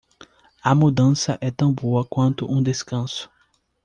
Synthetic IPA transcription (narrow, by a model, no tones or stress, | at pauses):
ɐmud̪ɐ̃sɐʔɛt̪ɐ̃w̃boɐkwɐ̃nt̪ʊʔũd̪eskɐ̃sʊ̥